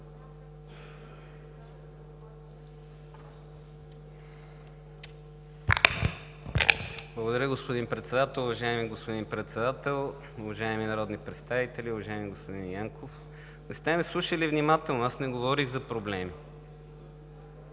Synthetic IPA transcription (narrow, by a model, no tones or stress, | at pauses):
blˠəɡod̪ɐɾʲəɡospod̪inpɾɛt̪sɛd̪at̪ɛlˠʊvɐʒaimiɡospod̪inpɾɛt̪sɛd̪at̪ɛlˠ | ʊvɐʒaɪminɐɾɔd̪nipɾɛt̪st̪avit̪ɛliʊvɐʒaɛmiɡospod̪injaŋkof | nɛst̪ɛmɛslˠuʃəlivnimat̪ɛlˠnoasnɛɡovɔɾiɣzɐpɾoblɛmi